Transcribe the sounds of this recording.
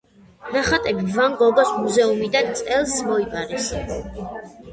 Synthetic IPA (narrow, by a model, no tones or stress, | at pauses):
naχat̪ʼɛbivaŋɡɔɡɔsmuzɛumid̪ant̪sʼɛlˠsmɔipʼaɾɛs